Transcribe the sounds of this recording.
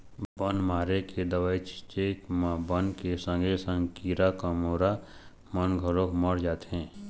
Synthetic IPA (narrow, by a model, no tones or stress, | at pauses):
bənmaːɾeked̪əʋaːit͡ʃʰt͡ʃeːkmãbənkesə̃ŋɡʱesə̃ŋɡkiːɾakəmoːɾa | mənɡʱəlokməɽd͡ʒaːt̪eɦɛ̃ː